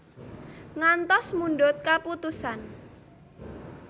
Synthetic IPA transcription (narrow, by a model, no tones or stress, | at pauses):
ŋant̪ɔsmunɖɔt̪̚kaput̪usan